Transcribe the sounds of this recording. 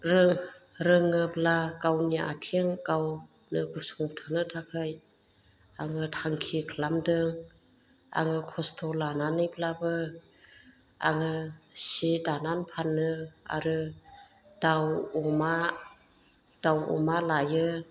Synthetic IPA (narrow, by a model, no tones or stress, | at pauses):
ɾɯŋɾɯŋɯplakawniʔa̰tʰeŋkaw | nɯɡɯsuŋtʰɯnɯtʰakʰɯj | aŋɯtʰaŋkʰikʰlamdɯŋ | a̰ŋɯkʰɔstʰɔlananɯjplabɯ | a̰ŋɯsidananpʰanːɯa̰ɾɯ | d̥awuma | d̥awṵmalajɯ